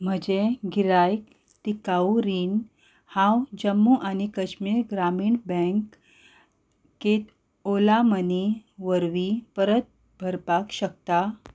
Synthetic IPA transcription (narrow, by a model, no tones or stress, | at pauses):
m̤əd͡ʑeɡiɾajk | t̪ikauɾin | hãwd͡ʑəmːuʔañikəɕmiːɾɡɾamiːɳbə̃ŋk | et̪ | olaməniʋəɾʋipəɾət̪̚ | bʱəɾpakɕək̚t̪a